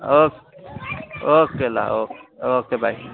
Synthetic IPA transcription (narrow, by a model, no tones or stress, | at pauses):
ok | okːela̰oke̥okebʱai